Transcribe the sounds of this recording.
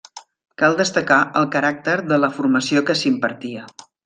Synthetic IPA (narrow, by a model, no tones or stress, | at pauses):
kalˠd̪əst̪əkaʔəlˠkəɾak̚t̪əɾðələfuɾməsiokəsimpəɾt̪iə